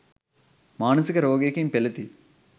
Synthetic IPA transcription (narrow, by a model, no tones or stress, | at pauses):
maːnɐsikɐɾoːɡeːkimpɛlɐt̪i